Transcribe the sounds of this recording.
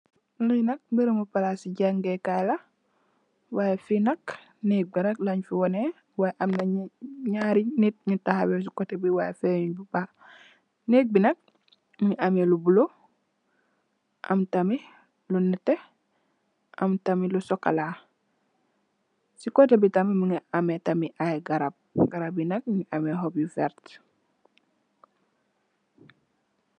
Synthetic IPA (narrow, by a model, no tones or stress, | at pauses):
linɐk̚mbiɾumupalasiɟaŋɡɛkajla | wajefinɐk | neːk̚binɐk̚laɲfiwɔnɛ | wajʔamnaɲaɾinit̚ɲutahabɛs̬ikɔtebiwajɛfɛɲbuba | neːk̚binɐk̚ | muɲuʔamelubulo | ʔɐ̰mtami | lunɛtːɛ | ʔɐmtamilusɔkala | sikɔtebitamimuŋiametɐmiʔajɡɐɾab̚ɡaɾabinɐk̚mŋiʔameɦɔbjufɛɾt